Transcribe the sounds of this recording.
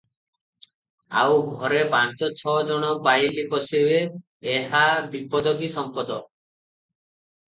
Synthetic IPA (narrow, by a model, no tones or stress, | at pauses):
a̰wbʱɔɾepant͡ʃɔt͡ʃʰɔd͡ʒɔɽ̃ɔbajlikɔsiβeː | ɦabipɔd̪ɔkisɔmpɔd̪ɔ